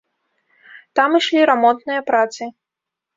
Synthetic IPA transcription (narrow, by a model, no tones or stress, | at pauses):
t̪amɨʂlʲiɾamɔnt̪nɨjɐpɾat̪sɨ